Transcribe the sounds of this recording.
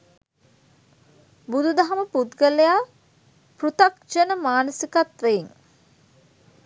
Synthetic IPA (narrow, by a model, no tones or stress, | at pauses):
bud̪ud̪aɦɐməpud̪ɡəlejaː | prut̪ak̚d͡ʒənəmaːnəsikat̪ʋejiŋ